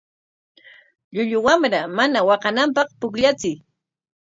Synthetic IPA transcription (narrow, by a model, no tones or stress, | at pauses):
ʎʊʎʊwamɾamanawɑqɑnampɑχpʊkʎat͡sɪj